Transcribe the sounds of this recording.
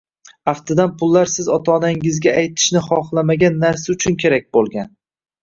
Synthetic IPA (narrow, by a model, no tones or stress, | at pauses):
aft̪ʰɪd̪anpʰʊlˠːaɾsɪzɒt̪ʰɒːnaŋɪzɡʲaːjt̪ʰɪ̥ʃnɪχɒχlˠamaɡʲanːaɾsaʊt͡ʃʰʊnkʲʰe̞ɾak̚ʲbolˠɡʲan